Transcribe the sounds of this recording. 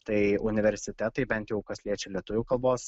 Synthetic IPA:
t̪ɐɪʊnʲɪʋʲɛɾʲsʲɪt̪ʲɛt̪ɐɪbʲɛnt̪jɛʊkɐsʲlʲiɛt͡ʃʲɛlʲiɛt̪ʊʋʲʊːkɐlˠboːs

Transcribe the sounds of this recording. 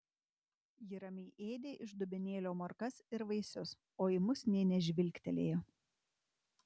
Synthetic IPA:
jɪɾɐmʲɛɪʔeːd̪ʲeːʔɪʒd̪ʊbʲɪnʲeːlʲoːmɐɾkɐsɪɾʋɐɪsʲʊs | oːɪmʊsnʲɛːnʲɛʒʲʋʲɪlʲkʲt̪ʲɛlʲeːjoː

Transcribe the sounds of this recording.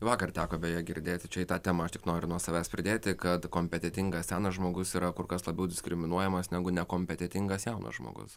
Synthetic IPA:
ʋɑːkɐrt̪ʲæːkoːbʲɛjɛːɡʲɪɾʲd̪ʲeːt̪ʲɪt͡ʃʲɛit̪ɑːt̪ʲɛːmɐɐʃt̪ʲɪ̥knoːɾʲʊnuɔsɐʋʲæːspʲɾʲɪd̪ʲeːt̪ʲɪkɐt̪koːmʲpʲɛt̪ʲɛt̪ʲɪŋɡɐsʲsʲɛʊnɐsʒmoːɡʊsiːɾɐkʊɾkɐslˠɐbʲɛʊd̪ʲɪsʲkɾʲɪmʲɪnuɔjɛmɐsnʲæːɡʊnʲɛkoːmʲpʲɛt̪ʲɛt̪ʲɪŋɡɐsjɛʊnɐ̰sʒmo̰ɡʊ̰s

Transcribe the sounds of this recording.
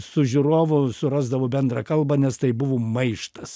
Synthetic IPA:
sʊʒʲʊɾoːʋʊsʊɾɑːzd̪ɐʋoːbʲɛnd̪ɾɐkɐlˠbɐnʲɛst̪ɐɪbʊʋoːmɐɪʃt̪ɐs

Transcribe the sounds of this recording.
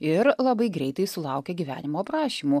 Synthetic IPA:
ɪɾlˠɐbɐɪɡɾʲɛɪt̪ɐɪsʊlˠɐʊkʲɛɡʲiʋʲæ̰ːnʲɪmoːpɾɑːʃʲiːmuː

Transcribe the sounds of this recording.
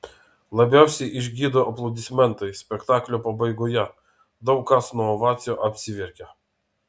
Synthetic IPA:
lˠɐbʲæˑʊsʲɛɪʔɪʒʲɡʲiːd̪oːʔɐplˠɐʊd̪ʲɪsʲmʲɛnt̪ɐɪsʲpʲɛkt̪ɑːklʲopɐbɐɪɡoːjɛ | d̪ɐʊkːɐsnuɔoʋɑːt̪sʲɪjoːʔɐpʲsʲɪʋʲɪɾʲkʲɛ

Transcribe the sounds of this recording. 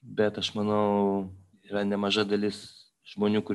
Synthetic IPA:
bʲɛt̪ɐʃmɐnɐʊ | iːɾɐnʲɛmɐʒɐd̪ɐlʲɪs | ʒ̥moːnʲuːkʊɾʲ

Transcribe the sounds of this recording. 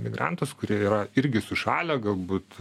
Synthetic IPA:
mʲɪɡrɑ̰nt̪uskʊɾʲiɛiːɾɐɪɾʲɡʲɪsʊʃɑːlʲɛɡɐlˠbuːt̪

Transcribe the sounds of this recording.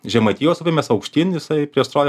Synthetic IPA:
ʒʲɛmɐt̪ʲiːjoːsupʲemʲɛsɐʊkʃʲt̪ʲiːnʲjɪsɐɪpʲɾʲiɛst̪ɾoːj

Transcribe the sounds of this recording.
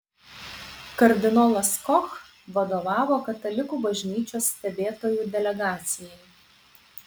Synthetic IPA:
kɐɾʲd̪ʲɪnɔlˠɐskɔx | ʋɐd̪oːʋɑːʋoːkɐt̪ɐlʲɪkuːbɐʒʲnʲiːt͡ʃʲoːsːʲt̪ʲɛbʲeːt̪oːjuːd̪ʲɛlʲɛɡɑːt̪sʲɪjɛj

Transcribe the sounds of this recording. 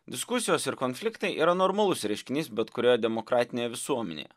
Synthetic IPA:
d̪ʲɪskʊsʲɪjoːsɪɾkonʲfʲlʲɪkt̪ɐɪʔḭːɾɐnoɾmɐlˠʊsɾʲɛɪʃʲkʲɪnʲiːsbʲɛt̪kʊɾʲeːjoːd̪ʲɛmokɾɑːt̪ʲɪnʲeːjɛʋʲɪsuɔmʲɛ̰nʲḛjɛ

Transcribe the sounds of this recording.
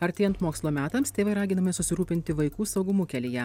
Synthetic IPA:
ɐɾʲt̪ʲeːjɛnt̪moːkslˠoːmʲæːt̪ɐmst̪ʲeːʋɐɪɾɑːɡʲɪnɐmʲesʊsʲɪɾuːpʲɪnʲt̪ʲɪʋɐɪkuːsɒʊɡʊmuːkʲɛlʲɪjɛ

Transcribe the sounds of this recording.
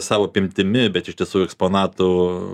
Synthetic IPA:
sɑːʋoːɐpʲɪmʲt̪ʲɪmʲɪbʲɛt̪ɪʃt̪ʲiɛsuːjʊɛkspoːnɑːt̪ʊ

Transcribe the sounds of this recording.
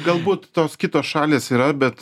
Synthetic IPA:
ɡɐlˠbuːt̪t̪oːskʲɪt̪oːsʃɑːlʲeːsiːɾɐbʲɛt̪

